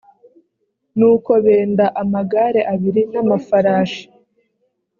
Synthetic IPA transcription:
nuːko̞βe̞ːndaʔamaɡaɾe̞ʔaβiɾinamafaɾaːʃi̥

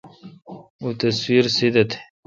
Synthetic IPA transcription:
ut̪ɐswiɾsid̪ɐt̪ʰe̥

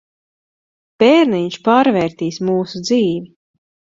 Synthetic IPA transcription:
b̥ɛːɾniɲʃpaːɾvɛːɾt̪iːsmuːsud̪ziːvi

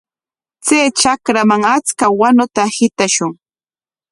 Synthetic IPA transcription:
t͡seːt͡ʃakɾamaŋat͡skawanʊt̪ahɪt̪aʃʊŋ

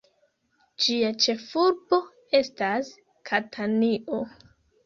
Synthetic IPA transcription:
d͡ʒiat͡ʃe̞fuɾbo̞ | e̞stas | kʰatʰaniʔo

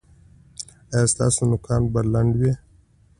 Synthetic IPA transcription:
aast̪a̰ːsunʊkɑːnbalɐɳɖwe

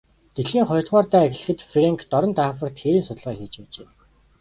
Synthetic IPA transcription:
t̪eɮxiːŋχɔjr̥t̪χɔːrt̪æːex̆ʲɮɘ̆xɘ̆t̪freŋkʰt̪ɔɾɞ̆nt̪aːfə̆r̥t̪xeɾiːnsʊt̪ə̆ɮʁaːxiːt͡ɕpæːt͡ɕeː

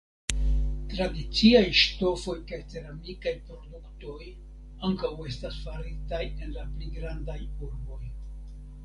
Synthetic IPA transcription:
tɾadit͡siajʃto̞fo̞jkajt͡se̞ɾamikajpɾo̞dukto̞j | aŋkawe̞stasfaɾitaje̞nlapliɡɾandajuɾbo̞j

